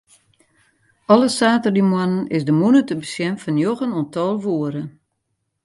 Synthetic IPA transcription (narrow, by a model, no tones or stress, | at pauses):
ɔlˠəsaːtərdimwanənɪsdəmunətəbəsjɛmfɔnjoɣənontɔːlˠʋuːəɾə